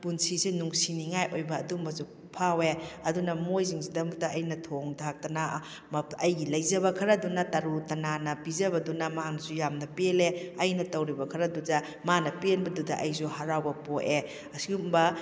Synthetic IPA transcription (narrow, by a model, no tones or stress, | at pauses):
punsisenuŋsiniŋajʔojbɐːdumbɐzu | pʰaweɐdunɐmojziŋsidɐmutɐʔɐjnɐtʰoŋdʰak̚tɐna | mɐjɡilɐjzɐbɐkʰɐɾɐdunɐtɐɾutɐnanɐpizɐbɐdunɐmaaknɐsujamnɐpeleɐjnɐtɐwɾibɐkʰɐɾɐdudɐ | manɐpenbɐdudɐʔɐjs̬uhaɾawbɐpoʔe | ɐsiɡumbɐ